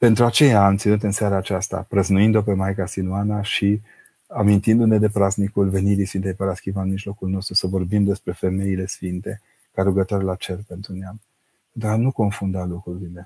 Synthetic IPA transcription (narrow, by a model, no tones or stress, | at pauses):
pe̞nt̪ɾuat͡ʃe̞jaːmt̪sinut̪̬ɨnseaɾaːt͡ʃast̪a̰pɾəznuind̪o̞pe̞majkasinuanaʃi | amint̪ind̪une̞d̪e̞pɾaznikulve̞niɾisfint̪ejpəɾaskʲivanmiʒlo̞kulno̞st̪ɾusəvo̞rbimd̪e̞spɾe̞fe̞me̞ile̞sfint̪e̞ | kaɾuɡət̪owaɾelat͡ʃe̞rpe̞nt̪ɾuneam | pend̪ɾuanuko̞nfund̪alukɾuɾile̞